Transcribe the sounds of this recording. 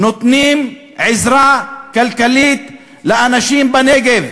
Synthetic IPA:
nʊt̪ˤniːm | ʕɪzɾaːkalkaliːt̪ | lɪʔanaʃiːmbaneːɡev

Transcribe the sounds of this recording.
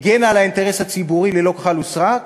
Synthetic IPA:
ɡenalaint̪eʁeshat͡sibuʁilelo̞kḁχalusʁa

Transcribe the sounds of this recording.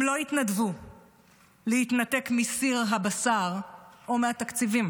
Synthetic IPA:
mlo̞it̪nadvu | lehit̪nat̪e̞kmisiʁɦabasaʁo̞meat̪akt͡sivim

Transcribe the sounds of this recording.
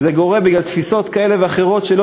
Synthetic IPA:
zeɡo̞ʁebiɡlalt̪fiso̞t̪kae̞le̞veaχeʁo̞t̪ʃelo

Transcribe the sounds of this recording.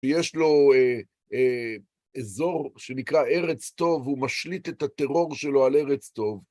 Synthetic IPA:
ejeʃlo̞e | e | ezo̞ʁʃenikʁaeʁet͡st̪o̞vumaʃlit̪etat̪e̞ʁo̞ʁʃe̞lo̞ale̞ʁet͡st̪o̞v

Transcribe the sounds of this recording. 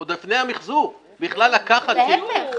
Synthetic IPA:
od̪efnejamiχzu | biχlalːakaχat̚ime

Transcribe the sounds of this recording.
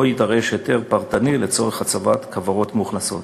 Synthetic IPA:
ojidaʁe̞ʃjet̪e̞ʁpaʁt̪anilet͡so̞ʁeχat͡savat̪kʰavaʁo̞t̪muχnaso̞̰t̪

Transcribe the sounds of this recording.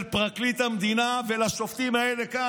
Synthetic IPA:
lpʁaklit̪hamd̪inavelaʃo̞ft̪imaeleka

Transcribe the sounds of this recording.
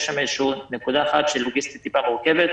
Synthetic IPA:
ʃameʃunekud̪aːχat̪ʃelːoɡist̪i̥t̪ːipaʁoʁkevet̪

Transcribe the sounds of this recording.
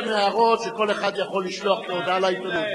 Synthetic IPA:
meaʁo̞t̪ʃeko̞leχad̪jaχo̞lːiʃloaχmeod̪alait̪onut̪

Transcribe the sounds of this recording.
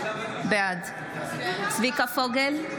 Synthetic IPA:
bead̪ | t͡svikafoɡel

